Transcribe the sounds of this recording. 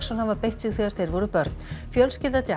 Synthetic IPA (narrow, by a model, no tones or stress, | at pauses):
sɔnhavapejht̪siɣθiːɣaɾ̥θejɾvɔɾʏpœɾt̪nfjœlscɪlt̪at̪i